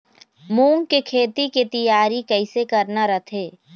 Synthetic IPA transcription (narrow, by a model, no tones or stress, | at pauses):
mũːŋkekʰeːt̪iket̪ɐjaːɾikɛɪsekɐɾnaɾət̪ʰeː